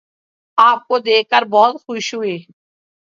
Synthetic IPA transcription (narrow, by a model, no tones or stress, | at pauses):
aːp̚koːd̪eːkəɾbɔːt̪xʊʃɦʊeː